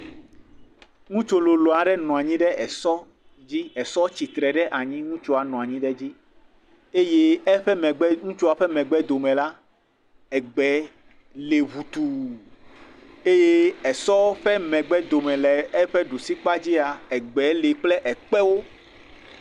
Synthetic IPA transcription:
ŋũ˦t͡ʃo˦lo˨lo˨a˨ɖɛ˦nɔ̃˨a˨ɲĩ˦ɖɛ˦ɛ˨sɔ˦ | d͡ʑi˦ɛ˨sɔ˦t͡ɕi˨t̪ɾɛ˨ɖɛ˦ʔa˨ɲĩ˦ŋũ˦t͡ʃo˦a˨nɔ̃˨a˨ɲĩ˦ɖɛ˦d͡ʑi˦ | e˦je˦ɛ˦ɸɛ˦mɛ˨ɡ͡bɛ˦ŋũ˦t͡ʃo˦a˨ɸɛ˦mɛ̃˨ɡ͡bɛ˦d̪o˨mɛ̃˨la˦ | ɛ˨ɡ͡bɛ˨˦ | le˨βu˨t̪u˨ | e˦je˦ɛ˨sɔ˦ɸɛ˦mɛ̃˨ɡ͡bɛ˦d̪o˨mɛ̃˨lɛ˨ɛ˦ɸɛ˦ɖo˨si˦k͡pa˦d͡ʑi˦a˨ɛ˨ɡ͡bɛ˨˦le˨k͡plɛ˦ʔɛ˨k͡pɛ˦wo˦

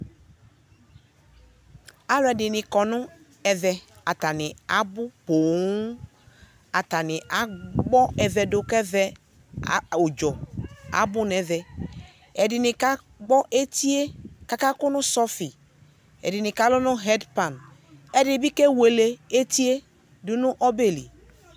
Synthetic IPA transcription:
a˦lʊ˦ɛ˨dɪ˨nɪ˨kɔ˨nʊ̃˦ | ɛ˨vɛ˨a˨ta˨nɪ˨a˨bʊ˦po˨˦ | a˨ta˨nɪ˨ʔa˨˦ɡ͡bɔ˦ɛ˨vɛ˨dʊ˨kɛ˦vɛ˦˨ | o˨d͡ʒɔ˨a̰˨˦bʊ˦nɛ˨vɛ˨ | ɛ˨dɪ˨nɪ̃˨ka˦ | ɡ͡bɔ˦ʔe˦ti˦e˦ka˦ka˦kʊ˦nʊ˦sɔ˦fi˨ | ɛ̰˨dɪ˨nɪ˨ka˦lʊ˦nʊ˦ɦɛ˦dpa˨n | ɛ˦dɪ˨bi˦ke˦we˨le˨e˦ti˦e˦ | dʊ˦nʊ˦ʔɔ˦be˨li˨

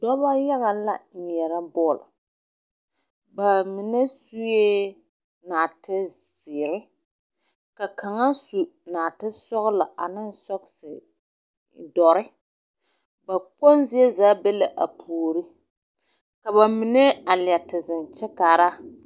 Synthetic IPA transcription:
dɔ˦ba˦ja˦ɣa˨la˦˨ɲɛ˨ɾa˦bɔː˦˨lɪ̰˨ | ba˨mɪ˨nɛ˦su˦je˦ | naː˨tɪ˦z̥ɪː˨ɾɪ˦ | ka˨kʰa˨ŋa˦su˨naː˨tɪ˦sɔ˦ɣʊ˦la˨a̰˨nɪ˦n˦sɔ˦ksɪ˨ | dɔ˨ɾɪ˦ | ba˨k͡po˦nzɪ˦ɛ˦zaː˦bɛ˦la˨ʔa̰˨pʰuː˨ɾi˦ | ka˨βa˨mɪ˨nɛ˦a˨lɪ˨ɛ˨tɪ˨zɪ˨nt͡ʃɛ˦ka˨ɾa˦

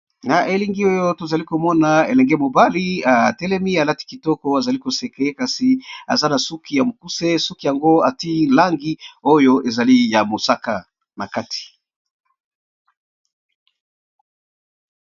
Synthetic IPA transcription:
na˨ʔe˨li˦ŋɡi˦o˦jo˦to˨za˨li˦ko˨mɔ˦na˨e˨lɛ˨ŋɡɛ˦mo˨ba˦li˦a˨tɛ˦lɛ˦mi˦a˨la˦ti̥˦ki˨tɔ˦kɔ˦a˨za˨li˦ko˨se˨ke˦ka˦si˨a̰˨za˦na˨su˦ki˦ja˨mo˨ku˦se˦su˦ki˨ja˨ŋɡo˦a˨ti˦la˦ŋɡi˦o˦jo˦ʔe˨za˨li˦ja˨mo˨sa˦ka˨ | na̰˨ka˦ti̥˨

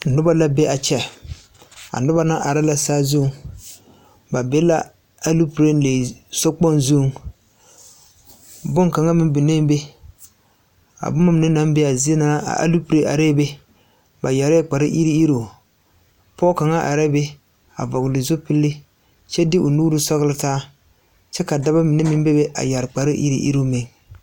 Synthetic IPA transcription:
nʊ˦ba˦la˦bɛ˦a˨t͡ʃɛ˦˨ | a̰˨nʊ˦ba˦na˦ʔa˨ɾa˦la˦saː˦zʊ˦˨ŋ | ba˨bɛ˦la̰˦ | a˦lu˦pɾe˦le˨sɔ˦k͡pɔ˦nzu˦˨ŋ | bʊ˦ŋka˨ŋa˦mɪ˦mbɪ˨ne˦m˦be˦ | a̰˨bʊ˦ma˦m˨nɪ˦na˦mbe˦a˨zi˦e˦na˦na˦a̰˨a̰˦lu˦pɾe˦ʔa̰˨ɾe˦be˦ | ba˨ja˨ɾɛ˦k͡pa˨ɾɪ˦ʔi˦ɾi˦i˦ɾo˨ | pɔ˦ka˨ŋa˦ʔa̰˨ɾɛ˦be˦ | a̰˨vɔ˨ɣlɪ˨zʊ˦pɪ˦lːɪ˦ | t͡ʃɛ˦dɪ˦ʔʊ˨nuː˦ɾɨ˦sɔ˦ɣlɪ˦taː˦ | t͡ʃɛ˦ka˨da˦ba˦mɪ˨nɛ˦mɪ˦mbe˦be˦ʔa̰˨ja˨ɾɪ˨k͡pa˨ɾɪ˦ʔḭ˦ɾḭ˦ʔḭ˦ɾo˦˨me˨ŋ

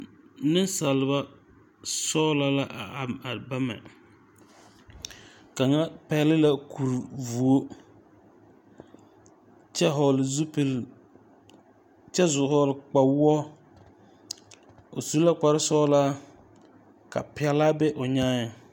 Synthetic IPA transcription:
nɪ˦nsa˨lɪ˨˦ba˦ | sɔː˦la˦la˦ʔa˨ba˦mɛ̰˨ | ka˨ŋa˦pɛ˦lɪ˦la˦kʰu˨ɾvu˨o˦ | t͡ʃɛ˦ɦɔ˨lzu˦pl | t͡ʃɛ˦zʊ˨hɔ˨lk͡pa˨wɔ˦ | o˨su˨˦la˦k͡pa˨ɾɪ˦sɔː˦la˦ | ka̰˨pɪ˨ɛ˦laː˦bɛ˦ʔʊ˨ɲaː˦ɲa˨

